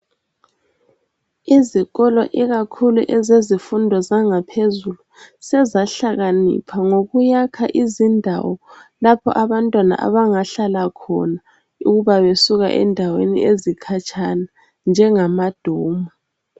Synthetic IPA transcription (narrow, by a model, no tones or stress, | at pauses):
iziɣɔlɔ̰ʔiɣakʰuluʔɛzezifundʱɔzaŋapʰezulusɛzaɬaɣanḭpʰaŋoɣujakʰaʔizindʱa̰wɔlapʰɔ̰ʔaβantʼwana̰ʔa̰βaŋaɬalakʰɔ̰na | uɣuβaβesuɣa̰ʔɛ̰ndʱawḛnḭezikʰat͡ʃʼʰana | nd͡ʒʱɛŋamad̥ʱoːmu